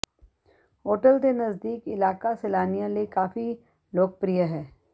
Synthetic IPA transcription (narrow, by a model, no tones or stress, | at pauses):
ɦoːʈəlt̪enɐzd̪iːkɪlaːkaselaːnijãlekaːfi | loːk̚pɾijəɦɛː